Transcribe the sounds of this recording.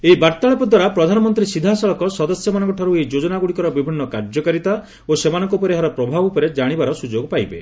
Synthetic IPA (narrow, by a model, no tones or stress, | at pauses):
eibaɾt̪aɭɔpɔd̪ʱwaɾapɾɔd̪ʱanɔmɔnt̪ɾisid̪ʱasɔɭɔkɔsɔd̪ɔsjɔmanɔŋk̬ɔʈʰɔɾuejd͡ʒod͡ʒɔnaɡuɽikɔɾɔbibʱinːɔkaɾd͡ʒɔkaɾit̪a | osemanɔŋkɔupɔɾeɦaɾɔpɾɔbʱabupɔɾed͡ʒaɽ̃ibaɾɔsud͡ʒoɡpajbḛ